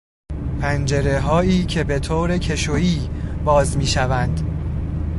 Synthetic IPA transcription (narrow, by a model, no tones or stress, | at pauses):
pʰænd͡ʒe̞ɾeɦɒːiːcʰe̞be̞t̪ʰoːɾecʰe̞ʃoiːbɒːzmiːʃævænd̪̥